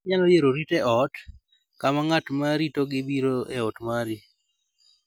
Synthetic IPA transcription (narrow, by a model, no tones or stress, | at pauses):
ɲalɔjeɾoɾitɛɔt | kamaŋatmaɾitoɡɪbiɾoɛɔtmaɾi